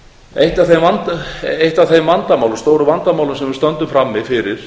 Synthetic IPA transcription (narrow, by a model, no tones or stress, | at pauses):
ejht̪aθejmvant̪ejht̪aθejmvant̪amaːwlmst̪oːwɾʏvant̪amawlʏmsɛmvɪɾst̪œnt̪ʏmfɾamːɪfɪɾɪɾ̥